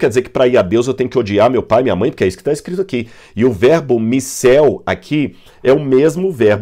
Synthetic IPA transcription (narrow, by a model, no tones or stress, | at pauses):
kɛɾdd͡ʒɪzeɾkɪ̥pɾaiɾad̪ewzewt̪ẽɲʊkɪod͡ʒiaɾmewpajmĩɲɐmɐ̃j̃poɾkɛisʊ̥kɪ̥t̪aeskɾit̪ʊaki | ɪʊvɛɾbʊmisɛwa̰kʰi | ɛʊmezmʊvɛɾb